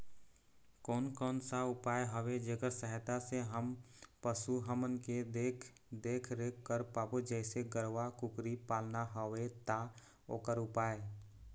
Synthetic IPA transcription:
kɔːnkɔːnsaʊpaːeɦɔʋed͡ʒəɡəɾsəɦɛt̪aseɦəmpəsuɦəmənked̪eːkʰ | d̪eːkʰɾekːəɾpaːpod͡ʒɛːseɡəɾʋakʊkɾipaːlnaɦɔʋet̪a | o̰ːkəɾʊpaːeː

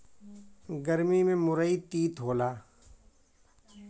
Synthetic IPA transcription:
ɡəɾmimẽmʊɾəit̪iːt̪ɦoːlaː

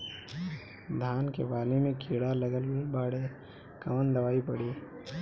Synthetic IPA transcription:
d̪ʱaːnkḛbaːlemẽkʰiːɽaləɡəlbaːɽe | kɐmənd̪ɐʋaːipɐɽiː

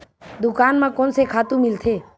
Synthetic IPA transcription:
d̪ʊkaːnmãkɔnsekʰaːt̪ũmɪlt̪ʰeː

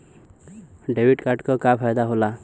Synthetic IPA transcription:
ɖewiʈkaɾʈkɔkapʰajd̪aɦola

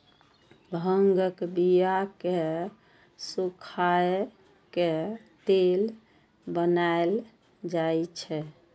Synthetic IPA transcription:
bʱəŋɡəkbijake | sukʰae | ket̪el | bənael | d͡ʒajt͡ʃʰɛ

